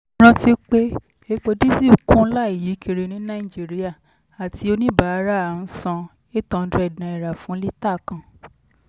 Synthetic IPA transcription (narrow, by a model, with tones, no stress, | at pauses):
ɾ̃ã˧ti˦k͡pe˦ | e˧k͡po˧di˦si˦˨u˨kũ˦la˦i˨ji˨˦kʰi˧ɾe˧nĩ˨˦nã˦i˨d͡ʒi˦ɾi˦a˦˨ | a˨tʰi˧o˧nĩ˦ba˨˦ɾa˦a˨ñ̩˦sã˧ | e˦tɔ̃˧n̩˦dɾɛ˨dã˧ɛ˨ɾa˨fũ˨˦li˦ta˦˨kã˨